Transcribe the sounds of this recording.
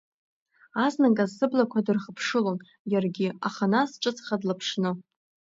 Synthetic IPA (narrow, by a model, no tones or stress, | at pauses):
aznakʼazːɨblakʷʰadɨrχəpʰʂɨlon | jarɡʲɪaχanasʈ͡ʂʼɨt͡sʰʼχadlapʰʂnɨ